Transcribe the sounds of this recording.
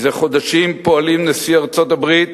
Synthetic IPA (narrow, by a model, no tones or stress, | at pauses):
zeχo̞d̪aʃimpo̞alimnesiaʁt͡so̞t̪abʁit̪